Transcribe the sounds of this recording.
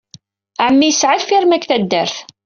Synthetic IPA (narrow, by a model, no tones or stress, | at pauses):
ʕmːijsʕəlfiɾmækːθæd̪ːəɾθ